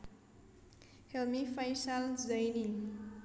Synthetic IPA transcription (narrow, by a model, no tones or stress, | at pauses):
helmifajsalzʌjni